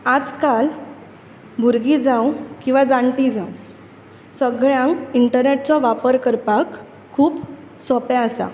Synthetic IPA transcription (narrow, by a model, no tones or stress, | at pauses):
ad͡zkal | bʱuɾɡid͡zãwkĩw̃ʋad͡zãɳʈid͡zãw | səɡɭjãŋkiɳʈəɾneʈ̚t͡sɔʋapəɾkəɾpakʰː | uːp | sɔpjãəsa̰